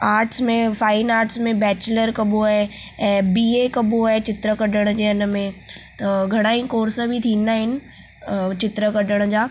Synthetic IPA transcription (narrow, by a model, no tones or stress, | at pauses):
aːɾʈsmẽfaːɪnaːɾʈsmẽbɛːt͡ɕləɾkɐboaːɦe | ɛ̃ːbiːekɐboaːɦet͡ɕɪt̪ɾəkɐɗəɽ̃d͡ʑeːɐn̆mẽt̪ɐɡʱɐɽ̃aːĩkoːɾsəbʱit̪ʰĩːn̆d̪aːɦɪnɪ̆ | t͡ɕɪt̪ɾəkɐɗəɽ̃d͡ʑaː